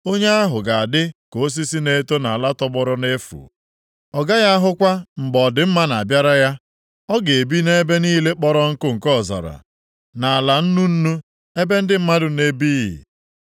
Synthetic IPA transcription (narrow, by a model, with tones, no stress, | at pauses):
o˦ɲe˦a˦ɦʊ˨ɡa˨a˨dɪ˦ko˨˦s̬i˦si˦ne˦to˦na˨a˨la˦tɔ˦bɔ˦ɾɔ˦ne˦fṵ˨ | ɔ˨ɡa˦ja˦a˦ɦʊ˦kʷa˦m̩˨ɡ͡bɔ˨dɪ˨m̩˦ma˦na˨a˨bja˦ɾa˦ja˦ | ɔ˦ɡe˨e˨bi˦ne˦be˦niː˦le˦k͡pɔ˦ɾɔ˦ŋ̩˦kʊ˦ŋ̩˨kɔ˦˨za̰˨ɾa̰˨ | na˨a˨la˨n̩˦nu˦n̩˦nu˦ | e˦be˦n̩˦dɪ˦m̩˦ma˦dʊ˨ne˦bi˦jḭ˨